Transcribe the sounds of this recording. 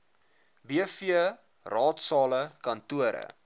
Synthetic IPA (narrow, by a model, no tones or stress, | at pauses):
biəfiə | rɑːtsɑːləkɐntuəɾə̰